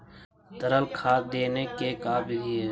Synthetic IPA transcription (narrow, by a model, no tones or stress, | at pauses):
t̪əɾəlkʰaːd̪eːnekekaːbʱiɡie